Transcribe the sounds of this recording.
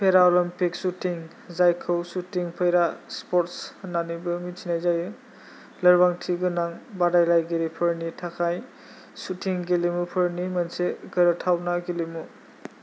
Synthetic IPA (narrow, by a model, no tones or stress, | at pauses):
pʰeɾaɔlɔmpik̚sutiŋ | zajkʰɯwsutiŋpʰəjɾaspɔɾtsnanibɯminsʰinajzajɯ | lɐɾbaŋtʰiɡɯnaŋbadajlajɡiɾipʰəɾnitʰakʰaj | sutʰiŋɡilimupʰɯɾnimɐnseɡɯɾɯtʰawnaɡilimu